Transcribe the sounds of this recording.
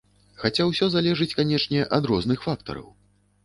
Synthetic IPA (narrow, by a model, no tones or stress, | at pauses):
xat͡sʲawsʲɔzalʲɛʐɨt͡sʲkanʲɛʂnʲɛʔɐd̪ɾɔznɨxfakt̪ɐ̰ɾɐ̰w